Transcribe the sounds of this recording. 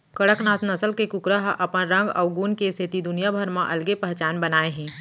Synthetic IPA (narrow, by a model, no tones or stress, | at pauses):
kɐɽəknaːt̪nɐsəlkekʊkɾəɦʔɐpənɾɐ̃ŋɡɔ̰ːɡuːnkesʰet̪id̪ʊnijabʱəɾmãʔɐlɡepɛɦt͡ʃaːnbɐnaːeɦɛ̃ː